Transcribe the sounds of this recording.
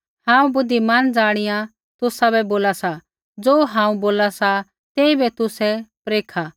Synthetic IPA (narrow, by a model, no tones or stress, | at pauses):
hãːũbʊd̪ːimand͡zaːɽ̃ɪjã | t̪ʊsabɛboːlasa | d͡zoːɦãːũboːlasa | t̪ɛːibɛt̪ʊsɛpɾeːkʰa